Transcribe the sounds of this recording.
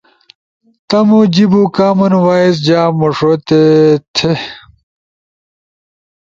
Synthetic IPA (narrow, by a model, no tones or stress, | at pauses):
t̪ɐmud͡ʑibukaːmɐnwaːis̬d͡ʑaːmoʂot̪et̪ʰe